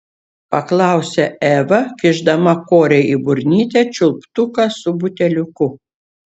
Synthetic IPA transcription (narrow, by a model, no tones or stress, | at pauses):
pɐklˠɑˑʊsʲɛæːʋɐkʲɪʒd̪ɐmɐkoːɾʲɛibʊɾʲnʲiːt̪ʲɛˑt͡ʃʲʊlˠpt̪ʊkɑsʊbʊt̪ʲɛlʲʊkʊ